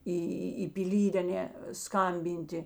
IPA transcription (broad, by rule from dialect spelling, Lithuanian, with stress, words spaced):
ˈiː iː iː pʲɪˈlʲiːtʲ ɐˈnʲɛ ˈskɐmʲbʲɪnʲtʲɪ